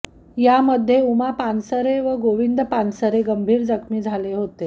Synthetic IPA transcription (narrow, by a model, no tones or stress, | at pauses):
jaməd̪ʱːjeumapansəɾeʋəɡoʋind̪əpansəɾeɡəmbʱiːɾd͡zəkʰmiːd͡zʱaleɦot̪e